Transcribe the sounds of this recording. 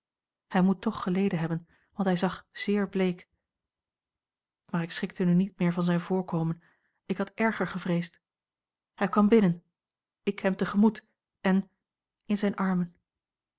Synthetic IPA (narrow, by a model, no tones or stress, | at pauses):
hɛjmutɔχːəlejdənɦɛbən | ʋɑntɦɛjzɑχz̥ɪːɹblejk | maːɹɪksχɪk̚tənynit̚mɪːɹvɑnzɛjnvʊːɹkowmən | ɪkɦɑtʔɛɹχəɹχəvrejst | hɛjkʋɑmbɪnən | ɪkɦɛmtəχəmut | ɛn | ɪnzɛjnʔɑɹmən